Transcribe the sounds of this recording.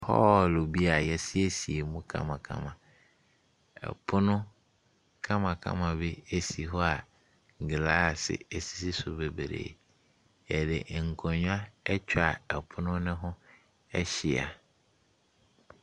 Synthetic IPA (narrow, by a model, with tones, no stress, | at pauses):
pʰɔː˦˨lo˨bi˦a˨jɛ˦sɪ˦e˦si˨e˨mũ˦kʰã̰˦mã˨kʰã̰˦mã˨ | ɛ̰˨pʰʊ˦nʊ̃˦ | kʰã˦mã˨kʰã̰˦mã˨be˦e˦si˨ɦɔ˦a˨ | ŋ˨ɡɪ˨la˦˨sɪ̰˨e˨si̥˦si˦sʊ˦be˨be˨ɾḛː˨ | jɛ˨dɪ̰˨ʔŋ̩˨kʰɔ̃˨ɲ˦a˦ɛ˦t͡ɕʰᶣa˨ɛ˨pʰʊ˦nʊ̃˦nɪ̃˦ɦʊ̃˦ | ɛ˦ɕɪ˨a̰˨